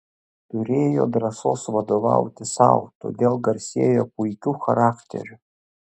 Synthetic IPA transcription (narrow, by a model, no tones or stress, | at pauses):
t̪ʊɾʲeːjo̰d̪ɾɐsoːsvɐd̪ova̰wt̪ʲɪsa̰wt̪o̰d̪ʲeːlˠɡɐrʲsʲeːjokujkʲuxɐɾaːkt̪ʲʰḛɾʲʊ